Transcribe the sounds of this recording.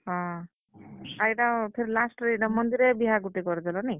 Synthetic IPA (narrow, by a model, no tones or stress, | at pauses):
ɦʌ̃ | ajʈapʰeɾilasʈeʈamʌnd̪iɾebiɦaɡuʈeɡʌɾd͡zʌlʌni